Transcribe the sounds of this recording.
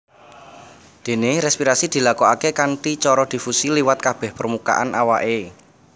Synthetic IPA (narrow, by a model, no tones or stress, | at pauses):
d̪̥e̤neɾɛspiɾasid̪̥i̤lakɔakekanʈit͡ʃɔɾɔd̪̥i̤fusiliwat̪̚kab̥ɛ̤hpərmuka̰ʔanʔawaʔe